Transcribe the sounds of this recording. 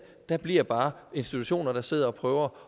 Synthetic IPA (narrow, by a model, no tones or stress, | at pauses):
d̥æb̥liɐ̰b̥ɑ̈ːe̝nsd̥it͡sʰuɕo̝̰ːnɐɾ̥ɑ̈se̝ð̞̰ˠɐɒ̽pʰʁœːʊɐ